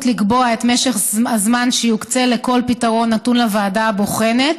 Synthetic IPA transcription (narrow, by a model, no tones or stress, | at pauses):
tliɡbo̞ae̞tme̞ʃeχazmanʃejokt͡se̞le̞ko̞lpitaʁo̞nːatunlavaːdaːboχe̞ne̞t